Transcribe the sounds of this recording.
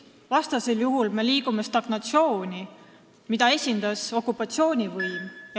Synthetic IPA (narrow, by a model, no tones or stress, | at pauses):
vɑst̪ɑse̞ljuɦulme̞liːɡ̥ume̞st̪ɑɡ̥nɑt̪sio̞ːnʲi | mid̪ɑe̞sʲind̪̥ɑso̞kːˑupːˑɑt̪sio̞ːnʲivɤjmjɑ